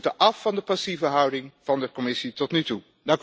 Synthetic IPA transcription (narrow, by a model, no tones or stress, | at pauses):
təʔɑfːɑndəpɑsivəɦʌwdɪŋv̥ɑndəkɔmɪsitɔtnytu | dɑŋk